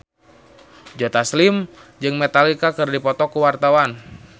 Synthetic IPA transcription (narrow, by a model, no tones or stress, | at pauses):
d͡ʒɔt̪aslimd͡ʒɨŋmɛt̪alikakɨrdipɔt̪ɔkuwart̪awan